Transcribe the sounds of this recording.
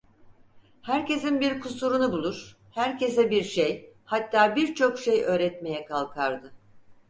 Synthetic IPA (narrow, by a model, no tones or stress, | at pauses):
hæɾce̞sinbiɾkʰusuɾunubulˠuɾ̥ | hæɾce̞sɛbiɾʃejhat̪ːaːbiɾt͡ʃʰo̞kʃe̞jø̞ːɾɛt̪me̞jɛkʰalˠkʰaɾd̪ɯ